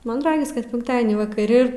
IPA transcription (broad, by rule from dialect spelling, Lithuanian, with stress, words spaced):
ˈmɐn ˈrɑːɡʲɪs kɐt ˈpʲɪŋktɐdʲiɛnʲiː ʋɐkɐˈrʲɪ